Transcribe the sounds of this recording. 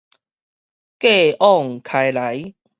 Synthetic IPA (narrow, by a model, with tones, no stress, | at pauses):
ke˥˧˨ʔɔ˥˨ŋkʰa˧jla˨˦j